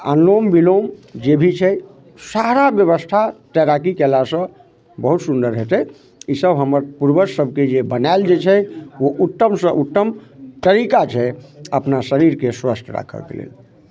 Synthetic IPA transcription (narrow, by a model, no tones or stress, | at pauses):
a̰nːombilomd͡ʒebʱit͡ʃʰɛ | saɾabjəβəst̪ʰat̪ɛɾakikɛlasə̃ | bəɦut̪sund̪əɾɦet̪ɛ | isəbʱɦəməɾpuɾbəsəbʱked͡ʒebənaɪld͡ʒet͡ʃʰɛʋoʔut̪ːəmsə̃ʔut̪ːəmt̪əɾikat͡ʃʰɛəpnasəɾiɾkeswəst̪ʰɾa̰kʰə̰lkḛlḛl